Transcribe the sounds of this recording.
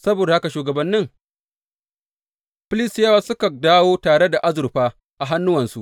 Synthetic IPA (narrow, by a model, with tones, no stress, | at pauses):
sɐ˦boː˨da˨ha˦ka˨ʃuː˨ɡɐ˨bɐ˦nːɪ˦ŋ | ɸɪ˦lɪ˦stjɐ˦wa˦sʊ˦ka˨daː˦woː˦taː˨ɽe˦da˨ʔa˦zʊ˨ɾɸaː˦ | ʔa˨ɦa˦nːʊ˦wɐ˨nsṵ˦ʔ